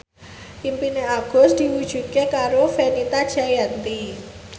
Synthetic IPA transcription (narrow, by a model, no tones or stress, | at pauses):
ʔimpineaɡ̥ɔ̤sd̪̥i̤wud̥ʒ̥ṳkekaɾofenit̪ad̥ʒ̥ajant̪i